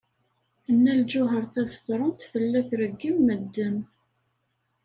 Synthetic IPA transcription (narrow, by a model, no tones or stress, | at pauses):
ənːæld͡ʒʊɦəɾˤθævəθɾˤənt̪θəlːæθɾəɡːimːəd̪ːəm